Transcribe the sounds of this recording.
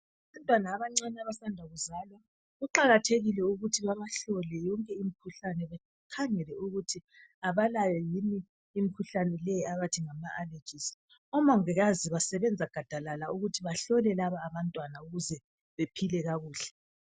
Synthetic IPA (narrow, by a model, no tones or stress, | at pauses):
aβantʼwanaːβaŋ͡ǀanaβasandʱaɣuzalwa | ɣuǃaɣatʰeɣilɛuɣutʰiβaβaɬɔlɛjɔŋkʼɛimikʰuɬanɛβɛ | kʰaŋɛlɛuɣutʰi | aβalajɛjiniː | mikʰuɬanɛlɛjiaβatʰiŋamaʔale̥t͡ʃʼis | ɔmɔŋiɣaziβasɛβɛnd͡zʱaɡ̥ʱad̥ʱalalauɣutʰiβaɬɔlɛlaβaːβantʼwanauɣuzɛ | βepʰilɛɣaɣuːɬɛ̥